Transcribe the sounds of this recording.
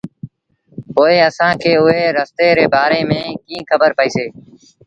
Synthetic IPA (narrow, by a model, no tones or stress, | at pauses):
poːeːəsãːkʰeːʊɦeːɾəst̪eːɾeːbaːɾeːmẽːkĩːkʰəbəɾpəiːseː